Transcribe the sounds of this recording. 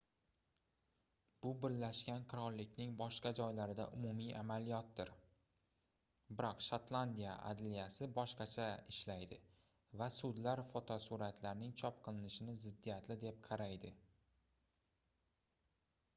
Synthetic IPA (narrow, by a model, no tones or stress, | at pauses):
b̥ʊbɪɾlaʃkʲanqʰɨɾɒɾːɪkʲnɪŋbɒʃqɑd͡ʒɒjlaɾɪd̪a̰ʔʊmʊmijʔa̰malijɒt̪̚ːɪɾ | bɪɾɒqʃat̪lˠand̪ija̰ʔa̰d̪lijasɪbɒʃqɑt͡ʃʰaɪʃlajd̪ɪ | vasʊd̪laɾfot̪ʰosuɾat̪ʰlaɾnɪŋt͡ʃʰɒp̚qʰɨlˠɪnɪʃɪnɪzɪd̪ːijat̪lɪd̪e̞p̚qʰɑɾajd̪ɪ